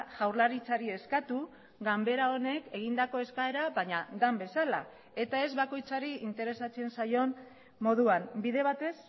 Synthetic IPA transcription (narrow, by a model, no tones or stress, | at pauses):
ʝawɾlaɾit͡saɾie̞skat̪u | ɡambe̞ɾao̞ne̞ke̞ɣ̞ind̪ako̞e̞skae̞ɾaβaɲad̪ambe̞sala̰ | e̞t̪ae̞zβako̞jt͡saɾiint̪e̞ɾe̞sat͡se̞nsajo̞n | mo̞ðuanbiðe̞β̞at̪e̞s